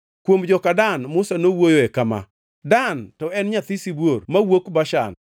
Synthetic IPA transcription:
kwomd͡ʒɔkadanmʊsanowojoɛkama̰ | dantɔɛnɲat̪isibwormawokbaʃa̰n

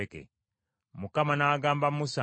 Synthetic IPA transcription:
ekḛ | mukamanaːɡaːmbamusa

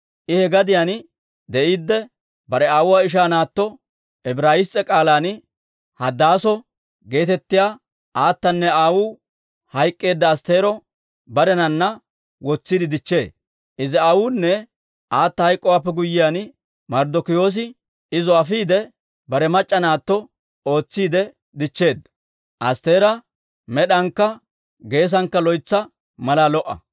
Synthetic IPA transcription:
ʔɪhɛɡɐd̪ɪjan | d̪ɛiːd̪ːɛ | bɐɾɛaːwʊwaːɪʃ̬aːnaːt̪ːɔ | ʔɛbɾaːjɪst͡sʼːɛkʼaːlaːn | hɐd̪aːsɔ | ɡe̞ːt̪ɛt̪ːɪjaː | ʔaːt̪ːɐnːɛaːwʊ | hɐjkʼːe̞ːd̪ːɐːst̪e̞ːɾɔ | bɐɾɛnɐnːɐ | wɔt͡sːɪd̪ɪd̪ɪt͡ʃːe̞ː | ʔɪzɪaːwʊnːɛ | aːt̪ːɐhɐjkʼːɔwaːpːɛɡʊjːɪjan | mɐɾd̪ɔkɪjo̞ːs̬ɪ | ɪzɔɐfiːd̪ɛ | bɐɾɛmɐt͡ʃʼːɐnaːt̪ːɔ | o̞ːt͡sːiːd̪ɛ | d̪ɪt͡ʃːe̞ːd̪ːɐ | ʔɐst̪e̞ːɾɐ | mɛɗɐŋkːɐ | ɡe̞ːs̬ɐŋkːɐlɔjt͡sːɐ | mɐlalɔʔːɐ̰

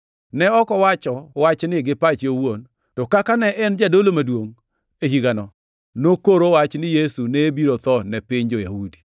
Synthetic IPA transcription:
nɛɔkɔwat͡ʃɔwat͡ʃnɪɡɪpat͡ʃowon | tɔkakanɛʔɛnd͡ʒadolomadwoŋ | ehiɡanɔ | nokoɾowat͡ʃnɪjesunebiɾot̪ɔnɛpɪɲd͡ʒɔjahudi̥

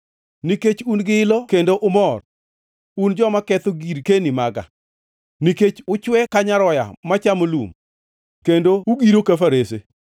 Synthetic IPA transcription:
niket͡ʃunɡɪɪlɔkendoʔʊmɔr | und͡ʒɔmakɛt̪oɡiɾkenimaɡa̰ | niket͡ʃʊt͡ʃwɛkaɲaɾɔja̰mat͡ʃamolṵm | kendouɡiɾokafaɾese

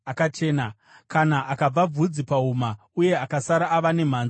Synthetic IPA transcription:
akat͡ʃe̞ːna | kanaʔakab͡vab͡vud͡zipauma | uje̞akasaɾaːʋane̞m̤aːnzi

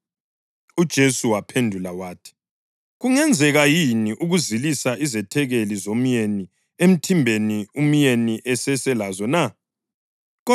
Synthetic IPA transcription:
ud̥ʒ̥ʱesuwapʰendʱulawaːtʰi̥ | ɣuŋɛnd͡zʱɛɣajiniʔuɣuzilisaʔizɛtʰɛɣelizom̩jeni | em̩tʰimbʱenium̩jeniʔɛsɛsɛlazɔna | ɣɔ

